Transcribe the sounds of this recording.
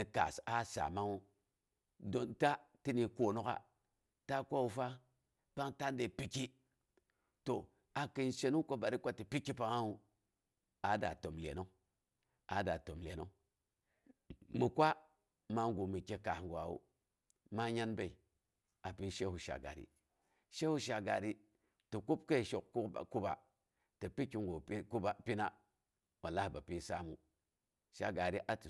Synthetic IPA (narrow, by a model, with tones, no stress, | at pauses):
ni˨ka̰˨sa˦sa̰˨ma˦ŋu˦ | do˨nta˦ti˦ni˨kʷo˨no˦ka̰˨ | ta˦kʷa˦wu˨fa˦ | pa˦ŋta˦nde˨pi˦ki˦ | to˨ | a˨ki˨nʃe˨nu˦ŋko˦ba˨ɾi˦kʷa˦ti˨pi˦kːi˦pa˨ŋa˦u˨ | a˨da̰˨to˨mlḛ˨no˦ŋ | a˨da˨to˨mlḛ˨no˦ŋ | mi˨kʷa˦ | ma˦ŋɡu˨mi˨ke˦ka˨hŋɡʷa˨wṵ˦ | ma˦ɲa˦nbe˦˨i˨ | a˨pi˦ʃe˦hu˨ʃa̰˨ɡa̰˨ɾḭ˨ | ʃe˦hu˦ʃa˨ɡa˨ɾi˦ | ti˨ku˦b̚ke˦˨ʃo˨kṵ˦˨ku˦ba̰˨ | tə˨pi˦kːi˦ŋɡo˨˦ku˦ba˦pi˦na˦ | wa˨la˦˨ba˨pi˦sa˦mu˨ | ʃa̰˨ɡa˨ɾi˦ʔa˨ti˨